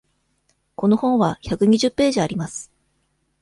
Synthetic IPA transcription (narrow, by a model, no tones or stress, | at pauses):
ko̞no̞hõ̞ɰ̃βaçakɯ̟ɲ̟iʑɨpːe̞ːʑiaɾʲimasɨ̥